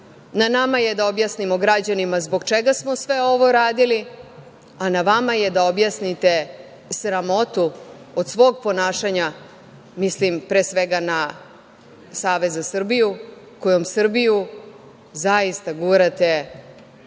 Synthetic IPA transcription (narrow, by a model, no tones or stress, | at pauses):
nanamajed̪ao̞bjasnimo̞ɡɾad͡ʑanimazbo̞ɡt͡ʃeɡasmo̞sʋe̞o̞ʋo̞ɾaːd̪ili | anaʋamaje̞d̪aobjasnit̪e̞ | sɾamo̞t̪u | od̪sʋo̞ːɡ̚po̞naːʃaɲa | mislimpɾeːsʋe̞ɡana | saːʋe̞zasrbiju | ko̞jo̞msr̩biju | zajist̪aɡuːɾat̪e̞